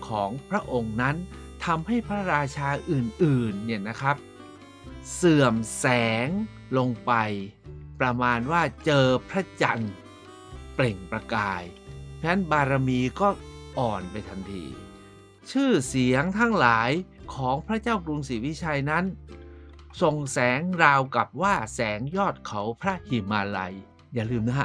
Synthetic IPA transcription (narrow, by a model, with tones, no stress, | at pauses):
kʰɔː˩˦ŋpʰɾa˦˥ʔo˧ŋna˦˥nt̪ʰa˧mha˥˩jpʰɾa˦˥ɾaː˧t͡ɕʰaː˧ʔɯː˨˩nʔɯː˨˩nːi˦˥˩na˦˥kʰɾa˦˥p̚ | sɯ˨˩əmsɛː˩˦ŋ | lo˧ŋpa˧jpɾa˧maː˧nwaː˥˩t͡ɕɤː˧pʰɾa˦˥t͡ɕa˧n | ple˨˩ŋpɾa˧kaː˧jpʰɛ˦˥nbaː˧ɾa˧miː˧kɔː˥˩ʔɔː˨˩npa˧jt̪ʰa˧nt̪ʰḭː˧ | t͡ɕʰɯː˥˩si˨˩˦əŋt̪ʰa˦˥ŋlaː˩˦j | kʰɔː˩˦ŋpʰɾa˦˥t͡ɕaː˥˩wkɾu˧ŋsiː˨˦wi˦˥t͡ɕʰaː˧jna˦˥n | so˨˩ŋsɛː˩˦ŋɾaː˧wka˨˩p̚waː˥˩sɛː˩˦ŋjɔː˥˩t̪̚kʰa˩˦wpʰɾa˦˥hi˨˩maː˧la̰˧j | jaː˨˩lɯː˧mna˦˥ɦa˧